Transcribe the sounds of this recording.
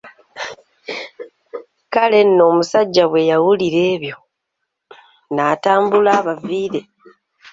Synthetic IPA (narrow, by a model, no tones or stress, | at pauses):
kale̞nːo̞ːmusaɟːaβwe̞jawuliɾe̞ːβjo̞ | naːtaːmbulaːβaviːɾe̞